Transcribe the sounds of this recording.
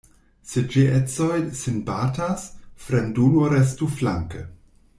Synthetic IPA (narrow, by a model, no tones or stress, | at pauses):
sed͡ʒiʔɛt͡sojsinbaːtasfɾenduːloɾɛs̬tuflaŋkə